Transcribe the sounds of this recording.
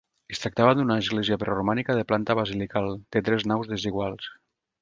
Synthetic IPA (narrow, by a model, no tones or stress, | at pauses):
est̪ɾak̚t̪aβad̪unaːzɣlɛziapɾorumanikaðeplant̪aβazilikalˠd̪̥et̪ɾɛznawzðeziɣ̞walˠs